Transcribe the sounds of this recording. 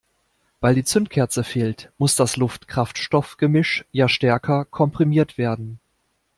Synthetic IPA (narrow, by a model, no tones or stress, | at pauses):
v̥aɪldiːt͡sʏntkʰɛɐt͡səfeːltmʊsd̥aslʊftkʁ̥aftʃtɔfɡ̥əmɪʃjaːʃtɛɐkʰɐkʰɔmpʁ̥imiːɐtv̥eːɐdn̩